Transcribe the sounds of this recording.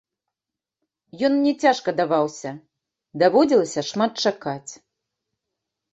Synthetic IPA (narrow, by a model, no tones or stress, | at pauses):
jɔnnʲɛt͡sʲaʂkɐd̪avawsʲɐ | d̪avɔd͡zʲilˠɐsʲɐʂmat̪̚t͡ʂakat͡sʲ